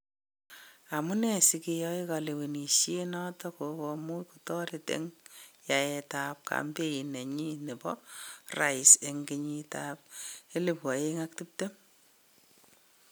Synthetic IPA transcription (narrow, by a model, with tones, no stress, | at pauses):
a˨mu˦ne˨si˨ki˧jɔ˦i˦ka˨le˨we˨ni˨ʃje˦nɔ˦tɔ˦ko˨bɔmu˦jku˨tɔ˦ɾe˨tḛ˦ŋja˨e˧ta˨p̚ka̰mbe˦i˨ne˨ɲi˦ne˨bɔ̰˦ra˨jse˨ŋɡe˦ɲi˦tap̚e˦le˨pwɔ˨je˦ŋak̚ti˦p̚te˦